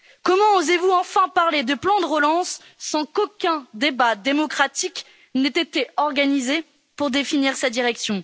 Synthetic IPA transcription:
kɔmɑ̃ozevuɑ̃fɛ̃paʁled̪əplɑ̃d̪əʁəlɑ̃sː | ɑ̃kokʲɛ̃d̪ebad̪emɔkχat̪ik | nɛt̪et̪eɔʁɡanize | puʁd̪efiniʁsad̪iʁɛksjɔ̃

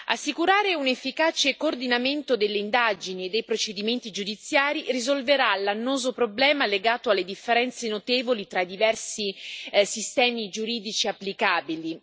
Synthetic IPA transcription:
a̰sːikuɾaːɾeunefːikaːt͡ʃekoːrd̪inament̪od̪elːeind̪aːd͡ʒinied̪ːejpɾot͡ʃed̪iment̪id͡ʒud̪it̪sːjaːɾirizolveɾalːanːoːzopɾoblɛːmaleɡaːt̪oalːed̪ifːeɾɛnt̪senot̪eːvolit̪ɾaid̪ivɛrsisist̪ɛːmid͡ʒuɾiːd̪it͡ʃiapːlikaːbili

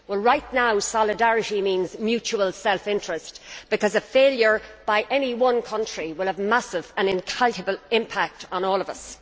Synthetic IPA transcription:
wɛlˠɹaɪtⁿnaʊsɑlɪdæɹɨɾimĩːnzmjʉt͡ʃuwəlˠsɛlˠfɪ̃nt͡ʃɹ̥ɨsb̥ɨkʰʌzəfeɪljə˞b̥aɪʔɛniwʌ̃nkʰʌ̃nt͡ʃɹ̥iwɪlˠəvmasɪvə̃nɪ̃nkʰaltəbəlˠɪ̃mpʰak̚tn̩ɔːlˠʌvʌs

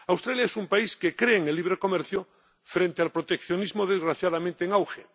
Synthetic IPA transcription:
awst̪ɾaljaesumpaiskekɾeːŋelːiβɾeko̞meɾθjo | fɾẽnt̪ealpɾot̪ekθjo̞nizmoðezɣɾaθjaðamẽnt̪eŋawxe

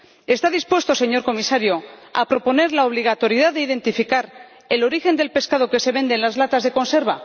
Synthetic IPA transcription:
e̞st̪aðispwe̞st̪o̞se̞ɲo̞ɾko̞misaɾjoa̰pɾo̞po̞ne̞ɾlaoβ̞liɣ̞at̪o̞ɾjiðaðeiðe̞nt̪ifikaɾ | e̞lo̞ɾixe̞nd̪e̞lpe̞skað̞o̞ke̞se̞βe̞nd̪e̞nlazlat̪azðe̞ko̞nse̞ɾβa

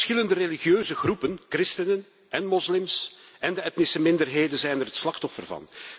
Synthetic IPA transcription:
sxɪləndəreliɣjøːzəɣrupənkrɪstənən | ɛnmɔslɪmsɛndəɛtnɪsəmɪndərɦeːdənzɛjnərɦətslɑxtɔfərvɑ̰n

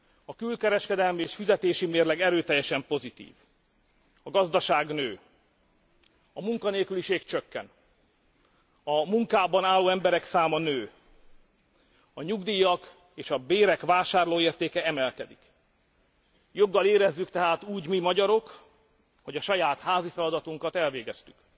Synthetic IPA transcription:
ɒkylkɛɾɛʃkɛd̪ɛlmieːʃfizɛt̪eːʃimeːrlɛɡɛɾøːt̪ɛjːɛʃɛmpo̞zit̪ḭːv | ɒɡɒzd̪ɒʃaːɡnøː | ɒmuŋkɒneːlkyliʃeːkt͡ʃøkːɛ̰n | ɒmuŋkaːbɒnaːlːoːɛmbɛɾɛksaːmɒnøː | ɒɲuɡd̪iːjɒk | eːʃɒbeːɾɛkʋaːʃaːrloːeːrt̪eːkɛɛmɛlkɛd̪ik | jo̞ɡːɒleːɾɛzːykt̪ɛɦaːt̪uːɟmimɒɟɒɾo̞k | ho̞ɟɒʃɒjaːt̪haːzifɛlɒd̪ɒt̪uŋkɒt̪ɛlveːɡɛst̪y̥k

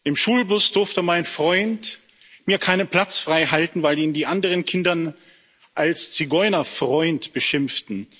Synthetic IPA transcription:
ʔɪmʃuːlbʊsd̥ʊɐftəmaɪnfʁ̥ɔʏnt | miːɐkʰaɪnənpl̥at͡sfʁ̥aɪɦaltn̩vaɪliːndiːʔandəʁənkʰɪndɐn | ʔalst͡siɡɔʏnɐfʁ̥ɔʏntb̥əʃɪmftn̩

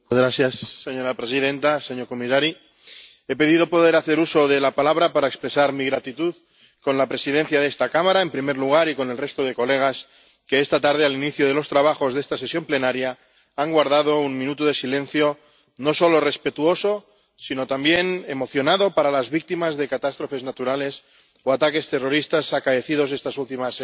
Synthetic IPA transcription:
ɣɾaθjasːeɲo̞ɾapɾe̞sið̞e̞nt̪ase̞ɲo̞ɾko̞misaɾi | e̞pe̞ðiðo̞po̞ðe̞ɾaθe̞ɾuso̞ðe̞lapalaβ̞ɾapaɾaekspɾe̞saɾmiɣɾat̪it̪uð | ko̞nlapɾe̞sið̞e̞nθjaðe̞st̪akamaɾae̞mpɾime̞ɾluɣ̞aɾiko̞ne̞lre̞st̪oð̞e̞ko̞le̞ɣ̞as | ke̞est̪at̪aɾð̞ealiniθjoð̞e̞lo̞st̪ɾaβ̞axo̞zðe̞st̪ase̞sjo̞mple̞naɾja | aŋɡwaɾð̞að̞o̞unmĩnut̪uð̞e̞silẽ̞n̟θjo̞ | no̞so̞lore̞spe̞t̪uo̞so̞ | sino̞t̪ambjene̞mo̞θjo̞naðo̞paɾalazβik̚t̪imazðe̞kat̪ast̪ɾo̞fe̞znat̪uɾale̞s | oat̪ake̞st̪e̞ro̞ɾist̪asakaeθið̞o̞ze̞st̪asult̪imas

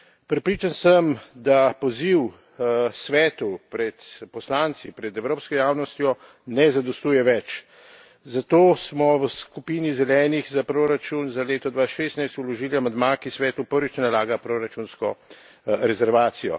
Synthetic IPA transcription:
pɾɛpɾiːt͡ʃansəmd̪apɔziw | sʋɛːt̪upɾɛt̪pɔslaːnt̪sipɾɛd̪ɛwɾoːpskɔjaːwnɔst̪jɔ | nɛzad̪ɔst̪uːjɛʋɛt͡ʃ | zat̪oːsmɔwəskupiːnizɛlɛːnixzapɾoɾat͡ʃunzaleːt̪ɔd̪ʋaʃest̪najst̪ulɔʒiːliamɛd̪maːkisʋɛːt̪upəɾʋit͡ʃnalaːɡapɾoɾat͡ʃunskɔ | ɾɛzɛɾʋaːt̪sijɔ̰

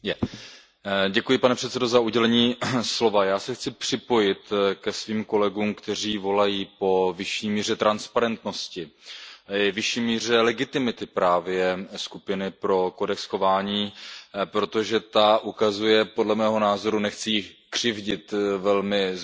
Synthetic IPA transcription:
jɛ | ɟɛkujɪpanɛpr̥ɛt̪sɛdo̞zauɟɛlɛɲiːslo̞vajaːsɛxt͡sɪpr̥ɪpo̞jɪt̪kɛsviːmko̞lɛɡuːmkt̪ɛr̝iːvo̞lajiːpo̞vɪʃiːmiːr̝ɛt̪ɾanspaɾɛnt̪no̞scɪ | vɪʃiːmiːr̝ɛlɛɡɪt̪ɪmɪt̪ɪpɾaːvjɛskupɪnɪpɾo̞ko̞dɛksxo̞vaːɲiːpɾo̞t̪o̞ʒɛt̪aʔukazujɛpo̞dlɛmɛːɦo̞naːzo̞ɾunɛxt͡sɪjɪxkr̝̥ɪvɟɪt̪vɛlmɪ

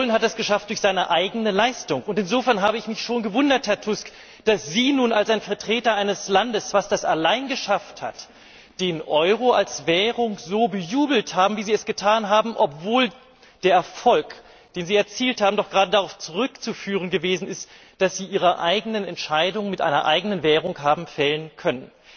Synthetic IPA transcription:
lənɦat̚d̥asɡ̥əʃaft̚d̥ʊɐçz̥aɪnəʔaɪɡənəlaɪstʊŋʊntɪnzoːfɛɐnɦaːbəɪçmɪçʃoːnɡəvʊndɐthɛɐtʰʊsk | d̥asz̥iːnuːnalsaɪnfɛɐtʁ̥eːtɐʔaɪnəslandəsv̥asd̥asalaɪnɡəʃaftha̰t | d̥eːnʔɔʏʁoalsvɛːʁʊŋzoːbəjuːbl̩thaːbm̩viːziːɛsɡ̥ətʰaːnɦaːbm̩ʔɔpv̥oːl | d̥eːɐɛɐfɔlk | d̥eːnziːɛɐt͡siːlthaːbm̩dɔχɡ̥ʁaːdədaʁaʊft͡suʁʏkt͡sufyːʁ̞ənɡəveːzn̩ɪst | d̥asz̥iːʔiːʁɐʔaɪɡənənɛntʃaɪdʊŋənmɪtʔa̰ɪnɐʔa̰ɪɡənənvɛːʁ̞ʊŋɦaːbm̩fɛlənkʰœnən

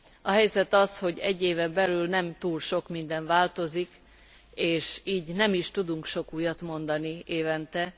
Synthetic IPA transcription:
ɒɦɛjzɛt̪ɒsho̞ɟɛɟːeːvɛmbɛlylnɛmt̪uːlʃo̞kmind̪ɛɱvaːlt̪o̞zik | eːʃiːɟnɛmiʃt̪ud̪uŋkʃo̞kuːjɒt̪mo̞nd̪ɒnieːvɛnt̪ɛ

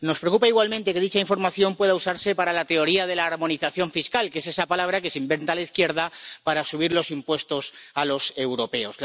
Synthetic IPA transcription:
no̞spɾeokupaiɣwalmẽnt̪e̞ke̞ðit͡ʃaiɱfo̞ɾmaθjo̞mpwe̞ðausaɾse̞paɾalat̪e̞o̞ɾiað̞e̞laːɾmõ̞niθaθjo̞ɱfiskalke̞s̬e̞sapalaβ̞ɾake̞seimbe̞nt̪alaiθkje̞ɾðapaɾasuβ̞iɾlo̞simpwe̞st̪o̞salo̞se̞wɾo̞pe̞o̞s

